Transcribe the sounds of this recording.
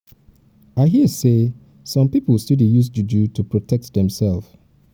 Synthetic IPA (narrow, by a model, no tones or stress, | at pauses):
aɪɦise | sɔ̃mpipəl̩ˠstidijus̬dudutʰupʰɹɔtʰɛk̚tðɛ̃msɛlˠf